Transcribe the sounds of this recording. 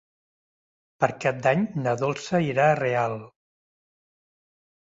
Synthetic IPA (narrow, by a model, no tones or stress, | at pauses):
pəɾkap̚d̪aɲnəðolˠsəiɾaːrealˠ